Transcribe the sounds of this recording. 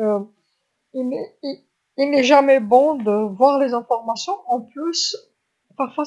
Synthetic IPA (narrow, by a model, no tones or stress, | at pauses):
ø | iɛi | ilnɛʒamɛbɔ̃d̪əvwaʁlezɛ̃fɔʁmasjɔ̃ɑ̃plys | paʁfɔʁ